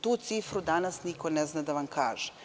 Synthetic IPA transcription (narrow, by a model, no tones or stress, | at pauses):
t̪uːt̪siːfɾud̪anasnikoneznad̪aʋamkaːʒe